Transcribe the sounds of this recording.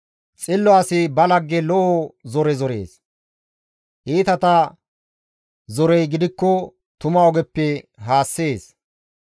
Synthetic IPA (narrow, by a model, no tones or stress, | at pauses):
t͡sʼɪlːɔɐsɪbɐlɐɡːɛlɔʔɔzɔɾɛzɔɾḛːs | ʔiːt̪ɐt̪ɐ | zɔɾɛjɡɪd̪ɪkːɔ | t̪ʊmɐɔɡɛpːɛɦaːsːeːs